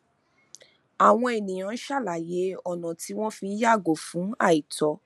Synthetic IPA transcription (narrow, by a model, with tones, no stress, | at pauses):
a˨w̃ɔ̃˧e˨nĩ˨j̃ã˨˦ʃa˦˨la˨je˨˦ɔ˨nã˨ti˨˦w̃ɔ̃˦fĩ˧˦ja˦˨ɡo˨fũ˨˦a̰˦˨i˨tɔ˨˦